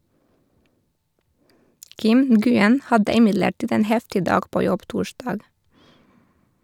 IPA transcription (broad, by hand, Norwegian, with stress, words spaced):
ˈkɪm n̩ɡʉˈɛn ˈhɑdə ɪˈmɪdləˌʈiːd ˈeːn ˈhɛftɪ ˈdɑːɡ ˈpoː ˈjɔb ˈtuːˌʃdɑːɡ